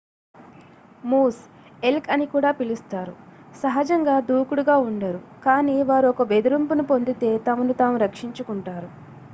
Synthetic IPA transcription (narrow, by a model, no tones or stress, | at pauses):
muːs | e̞lkɐnikuːɽaːpilust̪aːɾusɐɦɐd͡ʒɐŋɡaːd̪uːkuɽuɡaːuɳɖɐɾukaːniːʋaːɾuɔkɐbe̞d̪uɾumpunupo̞nd̪it̪e̞ːt̪ɐmunut̪aːmuɾɐkʂiɲt͡ʃukuɳʈaːɾu